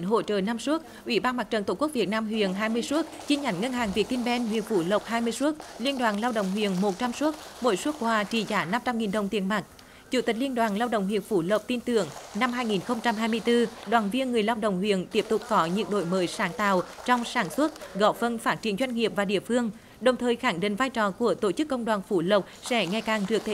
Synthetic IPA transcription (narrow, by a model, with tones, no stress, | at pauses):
ɦo̰˧˨t͡ɕəː˨˩na˧msu˦˥ət̚ʔwi˧˩ɓaː˧nma˨˩k̚t͡ɕə˨˩nt̪o˧˩ku˦˥k̚i˨˩t̚naː˧mɦwḭ˧˨ənɦaː˧jmɨ˧əjsu˦˥ət̚t͡ɕi˧ɲa˨˩˦jŋ̟ŋə˧nhɦaː˨˩ŋvi˨˩ək̚t̪i˧nɓɛ˧nɦwḭ˧˨ənfu˧˩lə˨˩wp̚haː˧jmɨ˧əjsu˦˥ət̚li˧ənɗwaː˨˩nlaː˧wɗə̰˧˨wŋ͡mɦwḭ˧˨ənmo˨˩t̚t͡ɕa˧msu˦˥ət̚mo̰˧˥˦jsu˦˥ək̚kwaː˧t͡ɕi˧˩zaː˨˩˦na˧mt͡ɕa˧mŋi˨˩nɗə˨˩wŋ͡mt̪i˨˩ənma˨˩k̚ | t͡ɕu˧˩t̪i˨˩k̟̚li˧ənɗwaː˨˩nlaː˧wɗə̰˧˨wŋ͡mhwḭ˨ənfu˧˩lə˨˩wp̚t̪i˧nt̪ɨ˧˩˨əŋna˧mɦaː˧jŋi˨˩nxə˧wŋ͡mt͡ɕa˧mɦaː˧jmɨ˧əjt̪ɨ˧ɗwaː˨˩nvi˧ənŋɨ˨˩əjlaː˧wɗə̰˧˨wŋ͡mhwḭ˧˨ənt̪i˦˥əp̚t̪ʊ˨˩k͡p̚kɔ˨˦ɲɨ̰˧˥ŋ̚ɗo̰˧˩jməː˨˦jsaː˨˦ŋt̪a̰ː˧˨wt͡ɕɔ˧wŋ͡msaː˧˩nswə˦˥t̚ɣɔ̰˧˩fə˧˩nfaː˦˥t̚t͡ɕi˧˩ənzwa˧jŋ̟ŋi˨˩əp̚vaː˨˩ɗḭ˧˨əfɨ˧əŋ | ɗə˨˩wŋ͡mt̪ʰəː˨˩jxa˧˩ŋɗḭ˧˨ŋ̟vaː˧jt͡ɕɔ˨˩ku˧˩ət̪o˧˩t͡ɕɨ˦˥kːə˧wŋ͡mɗwaː˨˩nfu˧˩lə˨˩p̚sɛ̰˧˥ŋa˨˩jkaː˨˩ŋɗɨ˨˩ək̚t̪ʰe˧˩